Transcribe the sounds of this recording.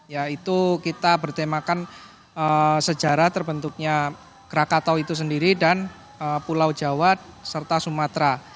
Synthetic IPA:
jait̪ukit̪abərt̪emakan | əsəd͡ʒa̤ɾaht̪ərbənt̪uk̚ɲa | ɡ̥əɾakat̪awit̪us̬əndiɾidan | əpulawd͡ʒawat̪̚sərt̪asumat̪ɾa

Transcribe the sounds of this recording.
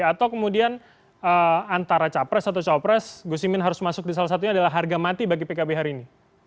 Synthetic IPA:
at̪awkəmudian | əant̪aɾat͡ʃapɾɛsat̪awt͡ʃawpɾɛsɡusimɪnɦaɾʊsmasʊk̚dis̬alas̬at̪uɲadalaɦarɡamat̪ibaɡipekabeɦaɾiːni

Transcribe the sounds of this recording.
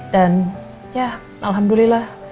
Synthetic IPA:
dan | t͡ɕa | ʔalɦamdulihlah

